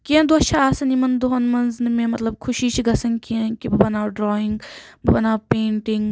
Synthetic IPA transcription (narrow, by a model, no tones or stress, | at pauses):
kiẽnd̪oɐt͡ʃʰaaːsanimɐnd̪oɦɐnmɐnznmẽmɐt̪lɐb̚kʰʊʃit͡ʃʰiɡɐsɐŋɡkiẽnkibɐbɐnaːwɖɾɔːĩŋɡbɐbɐnaːwpeːɳʈiŋɡ